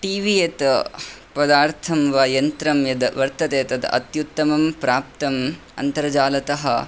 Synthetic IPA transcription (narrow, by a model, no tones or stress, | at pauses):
ʈiːʋijet̪ɐpɐd̪aːɾt̪ʰɐmʋaːjɐnt̪ɾɐmjɐd̪ɐʋɐɾt̪ɐt̪eːt̪ɐd̪ɐ̰ʔɐ̰t̪jut̪ːɐmɐmpɾaːp̚t̪ɐm | ɐ̰nt̪ɐɾɐd͡ʒaːlɐt̪ɐɦɐ̰